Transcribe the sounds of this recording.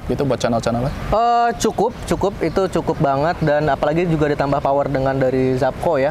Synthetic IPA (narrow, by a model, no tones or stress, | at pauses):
ɡit̪ubuat̪̚t͡ʃanalt͡ʃanalaʔət͡ʃukʊp̚t͡ʃukʊpit̪ut͡ʃukʊp̚baŋət̪̚danapalaɡid͡ʒuɡadit̪ambahpawərdəŋandaɾizap̚koja